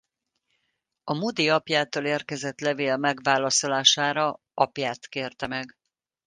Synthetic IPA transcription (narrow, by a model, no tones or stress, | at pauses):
ɒmud̪iɒpjaːt̪oːleːrkɛzɛt̪lɛveːlmɛɡʋaːlɒso̞laːʃaːɾɒ | ɒpjaːt̪keːrt̪ɛmɛɡ